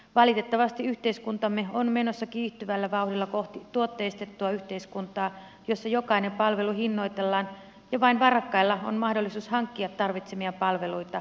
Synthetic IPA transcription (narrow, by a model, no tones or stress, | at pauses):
ʋɑlit̪e̞t̪ːɑʋɑst̪iyht̪eiskunt̪ɑmːeonmeno̞sːɑkiːht̪yʋælːæʋɑuhdilːɑkoht̪it̪uot̪ːeːst̪et̪ːuɑyht̪e̞iskunt̪ɑː | jo̞sːɑjokɑinempɑlʋe̞luhinːo̞it̪elːɑːn | jɑʋɑinʋɑrɑkːɑilːɑo̰nmɑhdolːisuːshɑŋkːiɑt̪tɑrʋit̪semiɑpɑlʋe̞luit̪ɑ